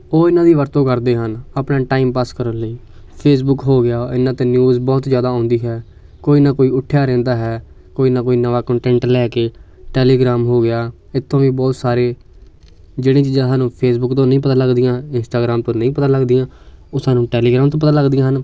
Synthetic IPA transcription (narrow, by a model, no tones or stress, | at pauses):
oːɪnãːd̪iːʋəɾt̪õːkəɾd̪eːɦənaːpnaːʈaːiːmpaːskəɾənləiː | pʰeːs̬bʊkɦoːɡɪjaːɪnãːt̪eːnjuːzbɔːt̪zjaːd̪aːõːnd̪iːɦɛː | koːiːnaːkoːiːʊʈʰːjaːɾɛ̃ːnd̪aːɦɛː | koːiːnaːkoːiːnəʋaːkəɳʈɛ̃ːɳʈlɛːkeː | ʈɛːleːɡɾaːmɦoːɡɪjaː | ɪt̪ʰːõːʋĩːbɔːt̪saːɾeː | d͡ʒeːɽẽːt͡ʃiːd͡ʒãːsaːnũːpʰeːsbʊkt̪õːnəĩːpət̪ãːləɡd̪ɪijãːɪnsʈaːɡɾaːmt̪õːnəĩːpət̪ãːləɡd̪ɪjãː | oːsaːnũːʈɛːleːɡɾaːmt̪̬õːpət̪ãːləɡd̪ijãːɦən